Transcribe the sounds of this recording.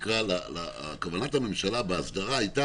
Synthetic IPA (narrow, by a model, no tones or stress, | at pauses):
kʁalala̰kavanathame̞mʃalabeasdaʁaːjta